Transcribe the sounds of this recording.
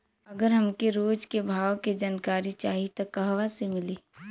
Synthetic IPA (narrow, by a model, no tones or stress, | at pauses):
ɐɡəɾɦɐmkeɾoːd͡ʒkebʱaːʋked͡ʒaːnkaːɾit͡ʃaːɦit̪okɐɦʋasemɪliː